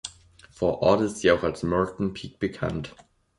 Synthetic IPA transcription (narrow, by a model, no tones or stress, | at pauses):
fɔɐʔɔːdɪstz̥iːaʊxalsmœɹtn̩pʰiːk̚b̥əkʰã̰nt